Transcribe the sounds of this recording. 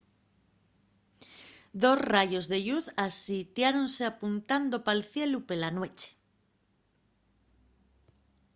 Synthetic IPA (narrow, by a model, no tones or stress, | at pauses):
d̪o̞sraʝo̞zðe̞ʎuθasit̪jaɾo̞nse̞apunt̪and̪o̞palθje̞lupe̞lanwe̞t͡ʃe̥